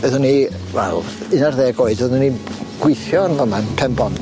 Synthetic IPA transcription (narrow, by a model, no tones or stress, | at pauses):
ɛðʊni | vɛ̰lˠ | ɨnarðeːɡoːɨdvəðʊnːiɡ̥wɪθjɔnðɔmanpʰɛmbɔn